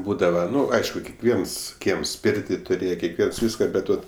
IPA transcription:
ˈbuːdɐʋɐ ˈnʊ ˈɐɪʃkʊ kʲɛkˈʋʲiɛns ˈkʲiɛms ˈpʲeːrʲtʲɪ tʊˈrʲeːjɛ kʲɛkˈʋʲiɛns ˈʋʲiːskɐ ˈbʲɛt ˈʋɐt

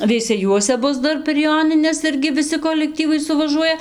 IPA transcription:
ʋʲɛɪsʲɛˈjuɔsʲɛ ˈbʊs ˈdɐr pʲɛr ˈjoːnʲɪnʲɛs ˈɪrʲɡʲɪ ʋʲɪˈsʲɪ koːlʲɛkˈtʲiːʋɐɪ sʊʋɐˈʒuɔjɛ

